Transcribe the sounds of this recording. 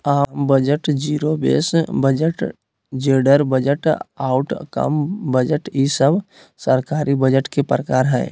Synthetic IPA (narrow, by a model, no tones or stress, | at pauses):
aːmbəd͡ʒəʈd͡ʒiːɾobḛːsbəd͡ʒəʈ | d͡ʒeːɖəɾbəd͡ʒəʈaːʊʈkə̰mbəd͡ʒəʈisəb | səɾkaːɾibəd͡ʒəʈkepɾəkaːɾɦɛ̰ː